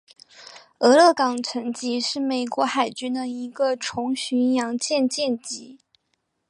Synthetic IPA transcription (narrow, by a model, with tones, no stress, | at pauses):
ɤ˧˥lɤ˥˩kɑ˨˩ŋt͡sʰə˧˥nt͡ɕi˧˥ʂɻ̩˥˩me˨˩ɪkwɔ˧˥xa˨˩ɪt͡ɕy˥nd̪ə˨i˧˥ɡə˧ʈ͡ʂʰʊ˧˥ŋɕy˧˥njɑ˧˥ŋt͡ɕjɛ˥˧nt͡ɕjɛ˥˩˧nt͡ɕi˧˥